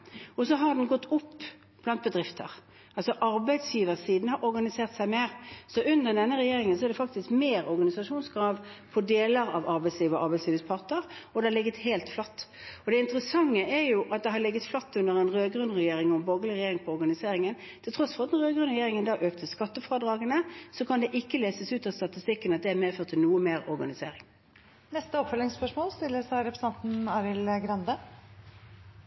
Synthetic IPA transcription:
ɔsɔɦɑʁd̪ɛnɡɔt̪ːʊpː | b̥lɑnt̪̚bəd̪ʁɪft̪ʰə̰ʁ | ʔɑlsɔʔɑɾbæɪd̪sjiːʋəsiːd̪nəhɑɾɔɾɡɑnɪseːʁt̪sæɪmeːʁsɔʔʉnd̪əɾd̪ɛnːəʁɛjeːɾɪŋəns̬ɔɛʁd̪ɛfɑk̚t̪ɪskmeːɾɔɾɡɑnɪsɑʂuːnsɡɾɑːʋpʰɔd̪eːləɾɑ̰ʋɑɾbæɪsliːʋəɔʔɑɾbæɪsliːʋəspʰɑʁt̪əɾɔd̪ɛhɑlɪɡːət̪heɪlt̪flɑt̪ːɔd̪ɛɪnt̪ʁəsɑŋːəʔɛɾjʊʔɑt̪̚d̪ɛɦɑɾlɪɡːət̪flɑt̪ːʉnd̪əʁɛnʁøːɡʁʉnʁɛjeːʁɪŋɔmboːɡlɪʁɪjeːʁɪŋpʰɔɔʁɡɑnɪseːʁɪŋən | t̪ʰɪlt̪ʰɾɔsfɔʁɑt̪d̪ɛnʁøːɡɾʉnʁɛjeːʁɪŋənd̪ɑːʔøːk̚t̪ʰəskɑt̪ːəfɾɑːd̪ʁɑːɡənəsɔkʰɑnd̪ɛʔɪkːəleːsəsʉːt̪ɑst̪ɑt̪ɪst̪ɪkːənɑt̪̚d̪ɛæmeːføːʁt̪ʰːɪlnuːəmeːɾɔɾɡɑnɪseːʁɪŋ | nɛst̪əɔpfœlɪŋspœʂmoːlst̪ɪlːəsæɪɾɛpɾəsɑnt̪n̩ɑːɾɪlɡɾɑnd̪ə

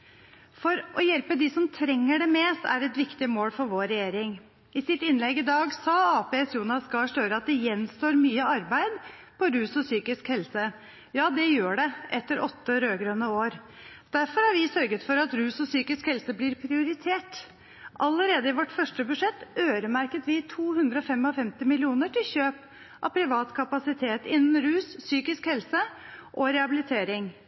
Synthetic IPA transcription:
fɔɾʔɔjɛlpəd̪ɪsɔmt̪ʰɾɛŋːəɖɛmeːst̪æ̰ɾɛt̪ʋɪkt̪ɪmoːlfɔɾʋoːɾɛjeːɾɪŋ | ɪsɪt̪ɪnlɛɡɪd̪ɑːɡsɑɑːpeːsjuːnɑsɡɑːʂøːɾəɑt̪̚d̪ɛjɛnst̪oːɾmyːəɑɾbæɪd̪ | pʰɔɾʉːsɔsyːkɪskhɛlsə | jɑːd̪ɛjøːɖɛʔɛt̪ːəɾɔt̪ːəɾøːɡɾøːnəoːɾ | d̪̥æɾfɔɾhɑɾʋɪsœɾɡət̪fɔɾɑt̪ɾʉːsɔsyːkɪskhɛlsəblɪɾpʰɾɪʊɾɪt̪ʰeːʈ | ʔɑləɾeːd̪əɪʋɔʈːfœʂʈəbʉʂɛt̪ːøːɾəmæɾkət̪ʋɪt̪ʰuːhʉnd̪ɾəɔfɛmɔfɛmt̪ɪmɪlɪuːnəʈɪlçøːp | ʔɑ̰ʋpʰɾɪʋɑːt̪kʰɑpɑsɪt̪ʰeːt̪ɪnːn̩ɾʉːsːyːkɪskhɛlsəʔɔɾɛɑbɪlɪt̪ʰeːɾɪŋ

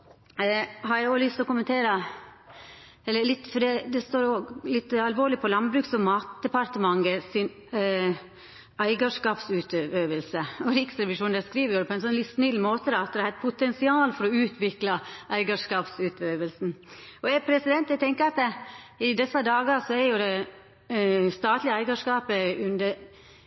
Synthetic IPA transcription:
hɑɾjæɪoːlʏst̪ɔkʊmənt̪ʰeːɾə | ɛlːəɾɭɪt̪ːfɔɖɛd̪ɛst̪oːɾɔlɪt̪ːɑlʋoːɾɭɪpʰɔlɑnbɾʉːksɔmmɑːt̪̚d̪ɛpɑɾt̪əmɑŋːəsɪn | æɪɡɑʂkɑːpsʉːt̪øøːʋəlsəɔɾɪksɾɛʋɪʂuːnd̪ɛskɾiːʋəɾjʊd̪ɛpʰɔɛnsɔnlɪt̪ːsnɪlːmoːt̪əd̪ɑɑt̪̚d̪ɛæhæɾt̪̚pʰʊt̪ɛnsɪɑːlfɔɾɔʉːt̪ʰʋɪklɑʔæɪɡɑʂkɑːpsʉːt̪ʰøːʋəlsn̩ɔɛɾpʰɾɛsɪd̪ɛnt̪æɪt̪ʰɛŋkəɾɑt̪ | ɪd̪ɛsːɑd̪ɑːɡɑsɔɛɾjʊd̪ɛ | st̪ɑːt̪lɪəæɪɡɑʂkɑːpəʉnd̪əɾ

